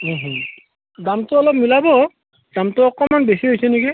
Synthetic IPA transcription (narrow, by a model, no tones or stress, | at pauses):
ũɦũ | damtʊɔlɔp̚milabɔ | damtʊːkɔmanbesiɦojsɛniki